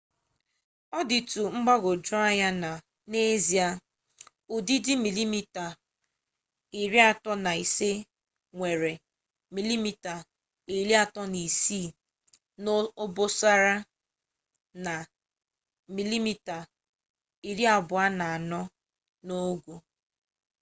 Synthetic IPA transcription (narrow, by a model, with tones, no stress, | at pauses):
ɔ˦dɪ˨tu˨ŋ͡m̩˦ɡ͡ba˦ɣo˨d͡ʒʊ˦a˦ɲa˦na˨ | ne˦zi˨a˦ | o˨di˦dɪ˦mi˨li˦mi˦ta˨ | i˨ɾi˦a˨tɔ˦na˨i˨se˦ | ŋʷe˨ɾe˨ | mi˨li˦mi˨ta˨ | i˨ɾi˦a˨tɔ˦ni˨siː˦˨ | no˦o˦bo˦sa˦ɾa˦ | na˨ | mi˨li˦mi˦ta˨ | i˨ɾi˦a˨bʊ˨a˦na˨a˨nɔ˦ | no˦ɡʷo˨